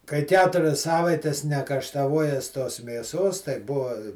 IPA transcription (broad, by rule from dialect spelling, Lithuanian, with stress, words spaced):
kɐɪ ˈkʲæːtʊrʲɛs ˈsɑːʋɐɪtʲɛs nʲɛkɐʃtɐˈʋuɔjɛs toːs mʲeːˈsoːs tɐɪ ˈbʊʋɐ